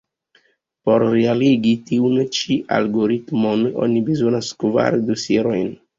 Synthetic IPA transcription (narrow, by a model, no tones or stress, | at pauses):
po̞ɾːealiɡitiunt͡ʃiʔa̰lɡo̞ɾitmo̞no̞̰nibezo̞naskva̰ɾdosieɾo̞jn